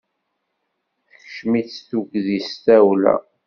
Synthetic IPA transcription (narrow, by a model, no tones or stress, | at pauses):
θəçʃmiθuɡðist̪æwlæ̰